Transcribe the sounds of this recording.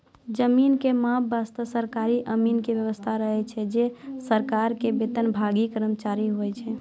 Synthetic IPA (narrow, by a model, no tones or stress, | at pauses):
d͡ʒəminkemãbast̪əsəɾkaɾiʔəminkeʋjəʋəst̪ʰaɾəɦɛt͡ʃʰɛd͡ʒesəɾkaɾkebet̪ənbʱaɡikəɾəmt͡ʃaɾiɦojt͡ʃʰɛ